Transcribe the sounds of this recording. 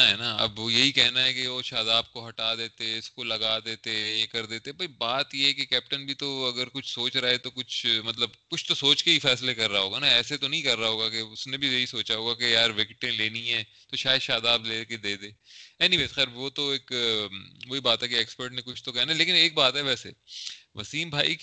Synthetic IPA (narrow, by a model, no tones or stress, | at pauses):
aɦɛnaɐ̰bjɐɦikɛɦnaɦɛkeʋoːʃaːd̪aːb̚koɦɐʈaːd̪eːt̪eɛʊskolɐɡaːd̪eːt̪ejekɐɾd̪eːt̪ebɐibaːt̪jeɦɛkekɛːp̚ʈənbʱit̪oɐɡəɾkʊt͡ʃʰsoːt͡ʃɾaːet̪okʊt͡ʃʰmɐt̪ləbkʊt͡ʃʰt̪osoːt͡ʃkeifɛːslekɐɾːaɦaɦoːɡanaɛːset̪onɐɦĩkɐɾːaɦoːɡakeʊsnẽbʱijɐisoːt͡ʃaɦoːɡakejaːɾʋɪkɪʈẽleːniɦɛ̃ːt̪oʃaːjəd̪ʃaːd̪aːbleːked̪eːd̪eːɛːnĩbet̪xɛːɾʋot̪oeːk | ʋoːibaːt̪ɦɛkeɛːkspəɾʈnekʊt͡ʃʰt̪okɛjanaleːkɪneːk̚baːt̪ɦɛʋɛːsḛʋɐ̰siːmbʱaːi